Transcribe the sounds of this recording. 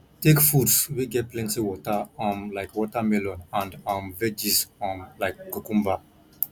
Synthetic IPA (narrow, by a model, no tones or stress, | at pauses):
tekfutswiɡɛt̚plɛ̃ntiwɔtaɔ̃mlaɪkwɔtamɛlɔ̃nãndãmvɛd͡ʒizɔ̃nlaɪk̚ɡukũmba